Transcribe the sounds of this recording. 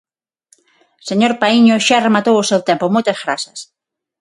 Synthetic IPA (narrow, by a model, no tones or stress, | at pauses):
seɲoɾpaiɲoʃaremat̪owʊsewt̪empomojt̪ɐzɣɾasɐs